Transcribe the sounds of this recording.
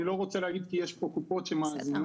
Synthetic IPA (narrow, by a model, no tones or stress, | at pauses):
iloɣot͡sɛlaɡid̪kijɛʃpokupot͡ʃɛmazin